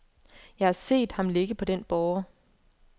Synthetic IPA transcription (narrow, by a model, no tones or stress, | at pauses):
jɑ̈ɪhɑ̈se̝̰ːd̥hɑ̈mle̝ɡ̥əpʰɒ̽d̥enb̥ɒʊɐ